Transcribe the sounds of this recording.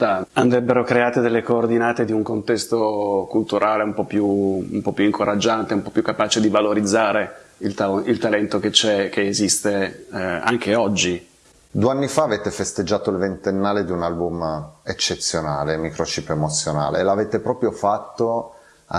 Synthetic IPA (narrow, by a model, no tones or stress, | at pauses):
aand̪ɾɛbːeɾokɾeaːt̪ed̪elːekoːrd̪inaːt̪ed̪iuŋkont̪ɛst̪okult̪uɾʔaːleumpɔpːjuumpɔpːjuiŋkʰoɾʔad͡ʒːant̪eumpɔpːjukːapaːt͡ʃed̪ivaloɾid̪zːaːɾeilt̪ailt̪alɛnt̪ok̟et͡ʃːɛkeːzist̪e | a̰ŋk̟eɔd͡ʒːi | d̪ueanːifaːveːt̪efest̪ed͡ʒːaːt̪oilvent̪enːaːled̪iunalbumet͡ʃːet̪sːjonaːlemikɾot͡ʃiːpemot̪sːjona̰ːlḛlaveːt̪epɾɔːpɾjofat̪ːo